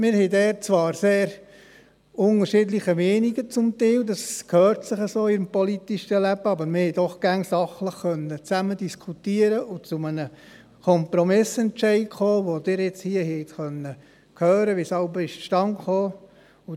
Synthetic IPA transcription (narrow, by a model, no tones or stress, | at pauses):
mɪːɾhɛɪdɛːɾt͡svɑːɾseːɾ | ʊŋəɾʃɪdlɪχəmɛːniɡət͡sʊmt̪ɛːldɑskʰhøːɾtsɪχəsoːɪɾmpɔlit̪iʃəlæb̥əɑbəɾmɪhɛɪdɔχɡ̥æŋsɑχləχːœnːət͡sæmədiskʰutiːəɾəʊt͡sʊmənə | kʰɔmpɾɔmɪsɛnt͡ʃɛɪkχoːʋod̥ɪːɾjɛt͡shiːəhɛɪt̪χœnːə | kʰhøːɾəʋisɑlbəɪʃʃtɑŋχoː | ʊ